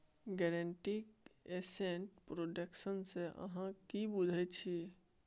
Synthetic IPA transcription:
ɡɛɾeɳʈikesenʈpɾoɖəksənseʔə̰ɦãkibud̪ʱɛt͡ʃʰi

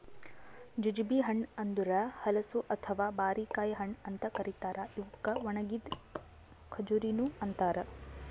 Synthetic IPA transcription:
d͡ʒud͡ʒbiɦɐɳɐnd̪uɾɐhɐlɐsuʔɐt̪ʰɐʋaːbaːɾikaːjɦɐɳɐnt̪ɐkɐɾit̪aːɾʔɐiʋukːɐʋɐɳɐɡid̪ | kʰɐd͡ʒuɾinuɐnt̪aːɾɐ

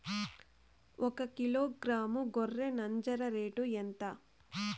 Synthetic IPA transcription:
ʔɔkɐkiloːɡɾaːmuɡorːenɐɲd͡ʒɐɾɐɾeːʈuent̪ɐ

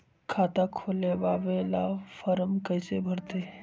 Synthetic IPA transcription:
kʰaːt̪akʰoːlebaːʋelaːfʰəɾəmkəɪsebʱəɾt̪e

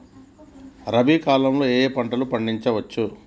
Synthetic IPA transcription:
ɾɐbikaːlɐmlo̞ːeːpɐɳʈɐlupɐɳɖiɲt͡ʃɐʋɐt͡ʃːu

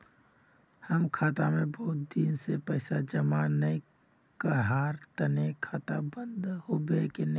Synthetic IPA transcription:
həmkʰaːt̪amẽbɔːt̪̚d̪iːnsepəɪsad͡ʒəmanəĩ | kəɦaːɾt̪ənekʰaːt̪abənd̪hobeken

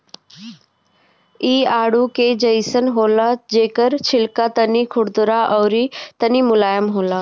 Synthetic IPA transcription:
iːaːɽuked͡ʑəjsənɦoːlad͡ʒeːkəɾt͡ɕʰɪlkat̪ɐnikʰʊɽd̪ʊɾaʔɔːɾit̪ɐnimʊlaːjəmɦoːlaː

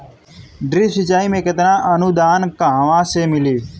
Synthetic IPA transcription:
ɖɾiːsɪt͡ʃaːimẽkɐt̪nãːʔɐnud̪aːnkaɦʋãːsemɪliː

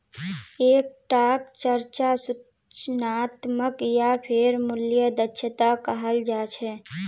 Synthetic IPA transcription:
eːk̚ʈaːkt͡ʃəɾt͡ʃasʊ | t͡ʃnaːt̪məkjapʰɪɾmʊljəd̪ətːʃʰət̪akəɦəld͡ʒaːt͡ʃʰɛ

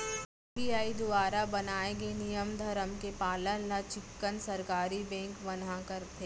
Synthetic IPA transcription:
bijaːid̪ʊaːɾabɐnaːeɡenijəmd̪ʱəɾəmkepaːlənlat͡ʃɪkːənsɐɾkaːɾibɛ̃ːŋkʋɐnakəɾt̪ʰe

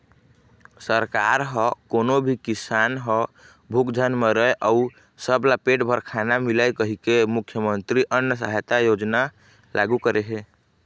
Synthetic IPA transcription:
səɾkaɾɦɔkonobʱikisanɦɔ | bʱukd͡ʒʱənmeɾəeʔau | səblapeʈbʱəɾkʰanamilajkəɦikemukʰːjəmənt̪ɾiʔənjəsəɦt̪ajod͡ʒna | lʔaɡukəɾeɦe

